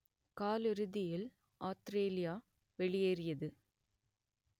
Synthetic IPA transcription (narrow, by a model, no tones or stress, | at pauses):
kaːlɪɾɯðɪjɪl | ʔaːt̪ɾeːlɪjaː | ʋɛɭɪjeːrɪjɐðɯ